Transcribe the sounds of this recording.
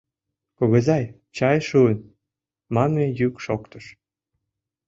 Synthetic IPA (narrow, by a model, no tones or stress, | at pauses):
koɣə̆zɑj | t͡ɕɑjʃuən | mɑnejykʃokt̪əʃ